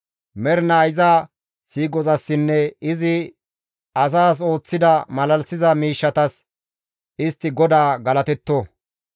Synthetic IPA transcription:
mɛɾnaːjɪzaː | siːɡɔzɐsːɪnːɛɪzɪ | ɐs̬aːs̬o̞ːt͡sːɪd̪ɐmɐlɐlsɪzɐmiːʃːɐt̪ɐs | ɪst̪ːɪɡɔd̪aːɡɐlɐt̪ɛt̪ːo

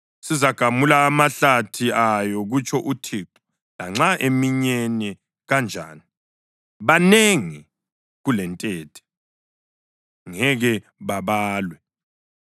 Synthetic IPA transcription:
sizaɡ̥ʱamulaːmaɬatʰiajɔɣut͡ʃʰʼɔʔutʰiːǃu̥ | laŋ͡ǁaʔemiɲɛnɛ | ɣand͡ʒʱa̰ːni | βaneŋi | ɣulɛntʼɛːtʰɛ̥ | ŋɛɣɛ | βaβaːlwɛ

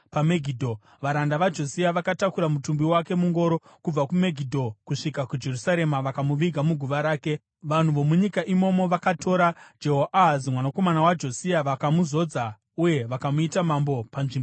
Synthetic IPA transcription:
pameɡʱidʱo | ʋaɾandaʋad͡ʒo̞siaʋakatakuɾamutumbiwake̞muŋɡo̞ɾo̞ | kub͡vakume̞ɡʱidʱo̞kuʂikakud͡ʒe̞rusaɾe̞maʋakamuʋiɡʱamuɡʱuʋaɾaːke̞ | ʋan̤uʋo̞muɲikaʔimo̞mo̞ʋakatʰo̞ɾad͡ʒeɦoʔaɦzimwanako̞manawad͡ʒo̞siaʋakamuzo̞d͡za | uje̞ʋakamuitamambo̞panʐimbo

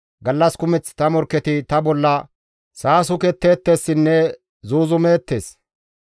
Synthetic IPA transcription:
ɡɐlːɐskʊmɛt͡sːt̪ɐmɔɾkːɛt̪ɪt̪ɐbɔlːɐ | saːsʊkɛt̪ːe̞ːt̪ːe̞ːsːɪnːɛ | zuːzʊme̞ːt̪ːe̞ːs

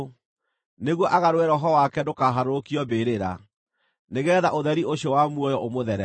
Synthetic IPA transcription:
neɣwɔʔaɣaɾwɛɾɔɦɔwakɛdokaɦaɾokiɔbeɾeɾa̰ | neɣɛːðaʔoðɛɾioɕiɔwamwɔjɔʔomoðɛɾɛ

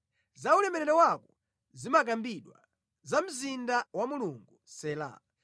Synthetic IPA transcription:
zaulɛmɛlɛɾɛwakɔ | zimak̬ambiɗwa̰ | zam̩zindawamuluŋɡusɛːla̰ː

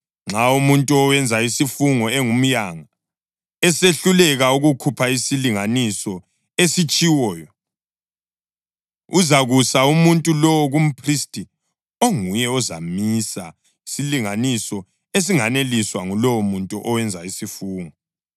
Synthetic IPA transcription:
ŋ͡ǁʱaumuntʼuɔwɛnd͡zʱaisifuŋɔɛŋum̩jaŋa | ɛseɬulɛɣauɣukʰupʰaisiliŋanisɔ | esit͡ʃʼiwɔːjɔ | uzaɣusaumuntʼulɔwɔɣum̩pʰristʼi | oŋujɛɔzamisa̰ | isiliŋanisɔ | es̬iŋaneliswaŋulɔwɔmuntʼuʔɔwɛnd͡zʱaisifuːŋɔ

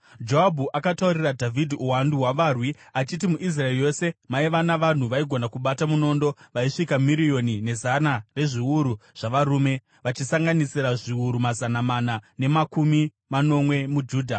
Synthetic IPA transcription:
d͡ʒoabʱuʔakatauɾiradʱavʱidʱiʔuwanduɦwaʋaːrwiat͡ʃit̬imuʔis̬raerjo̞se̞maiʋanaʋan̤uʋaiɡʱo̞nakuɓatamuno̞ːndo̞ʋaiʂikamiɾijo̞nine̞zanare̞ʐiuɾuʐ̥aʋaɾuːme̞ | ʋat͡ʃisaŋɡanisiɾaʐiwuɾumazanamanane̞makumi | mano̞mwe̞mud͡ʒuːdʱa

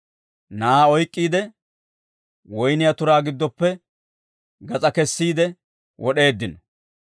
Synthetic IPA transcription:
naaːɔjkʼːiːd̪ɛ | wɔjnɪjat̪ʊɾaːɡɪd̪ːɔpːɛ | ɡɐt͡sʼɐkɛsːiːd̪ɛ | wʔɔɗe̞ːd̪ːɪnɔ

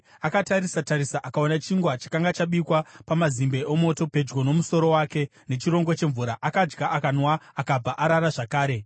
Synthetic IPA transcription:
akataɾisataɾisaʔakaonat͡ʃiŋɡwat͡ʃḁkaŋɡat͡ʃaɓikwapamazimbeʔomo̞to̞pe̞d͡ʒɡo̞no̞muso̞ɾo̞wake̞ | ne̞t͡ʃiɾo̞ŋɡwat͡ʃe̞ɱvuɾaʔakad͡ʒɡaʔakanwaːkab͡vaʔaɾaɾaʐakaːɾe̞

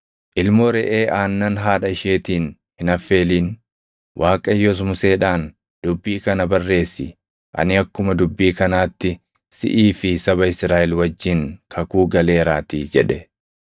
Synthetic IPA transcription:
ʔɪlmɔɾɛʔeːʔaːnːɐnɦaːᶑɐɪʃeːt̪iːn | hɪnɐfːe̞ːliːn | wʔaːkʼɐjːɔs̬mʊse̞ːᶑaːn | d̪̥ʊbːiːkɐnɐbɐrːe̞ːsːɪ | ʔɐ̰nɪɐkːʊmɐd̪ʊbːiːkɐnaːt̪ːɪ | sɪ̰ʔiːfɪsɐβɐɪsɾaːʔɛlwɐd͡ʒːɪŋkʰɐkuːɡɐle̞ːɾaːt̪id͡ʒɛᶑɛ

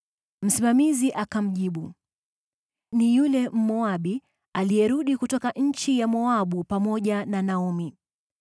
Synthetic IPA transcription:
m̩simamiziʔakam̩ʄiɓu | nijulɛm̩mɔaɓi | alijɛɾuɗikutɔkaʔɲ̩t͡ʃijamɔaɓupamɔʄananaɔmi

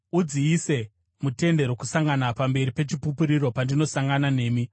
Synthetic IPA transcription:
ud͡ziːse̞ | mute̞nde̞ɾokusaŋɡanapambe̞ɾipe̞t͡ʃipupuɾiro̞pandino̞saŋɡanane̞ːmi

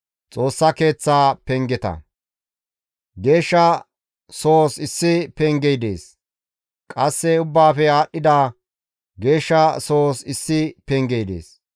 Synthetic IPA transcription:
t͡sʼo̞ːsːɐke̞ːt͡sːaːpɛŋɡɛt̪ɐ̰ | ɡeːʃːɐ | soːsɪsːɪpɛŋɡɛjd̪eːs | kʼɐsːɛʊbːaːfɛaːɗːɪd̪aː | ɡe̞ːʃːɐsoːsɪsːɪpɛŋɡɛjd̪ḛːs

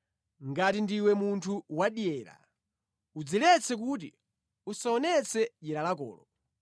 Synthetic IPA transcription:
ŋɡatindiwɛmuntʰuwaɗijɛːɾa̰ | ud͡zilɛt͡sʰɛk̬ut̬ḭ | usaɔnɛt͡sʰɛʄɛɾalakɔ̰ːlɔ

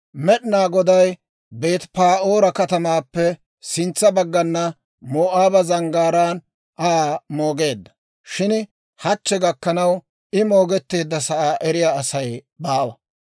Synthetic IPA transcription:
mɛɗnaːɡɔd̪ɐj | beːt̪paːʔo̞ːɾɐkɐt̪ɐmaːpːɛ | sɪnt͡sːɐbɐɡːɐnːɐ | moːʔaːbɐzɐŋɡaːɾaːn | ʔaːmoːɡe̞ːd̪ːɐ̥ | ʃɪn | hɐt͡ʃːɛɡɐkːɐnɐw | ɪmo̞ːɡɛt̪ːe̞ːd̪ːɐsɐʔaːʔɛɾɪjaːsɐj | baːwɐ

